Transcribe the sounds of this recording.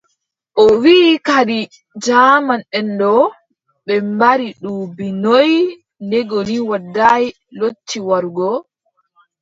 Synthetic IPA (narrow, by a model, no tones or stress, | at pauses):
ʔɔwiːkaɗi | d͡ʒamanɛndɔ | ɓɛmbaɾiɗuːbinɔj | ndɛɡɔniwadːaj | lotːiwaɾɡɔ